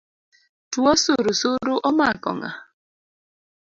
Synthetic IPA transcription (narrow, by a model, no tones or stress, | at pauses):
tuɔsoɾosoɾoʔɔmaakɔ̰ŋa̰